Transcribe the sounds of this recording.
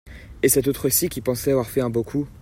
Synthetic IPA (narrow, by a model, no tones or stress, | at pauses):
esɛt̪ot̪χəsikʲipɑ̃sɛavwaʁfɛɛ̃bõkʰu